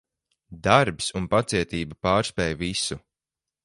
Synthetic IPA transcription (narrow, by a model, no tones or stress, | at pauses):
d̪aɾpsunpat̪siɛt̪iːbapaːɾspɛːjvisu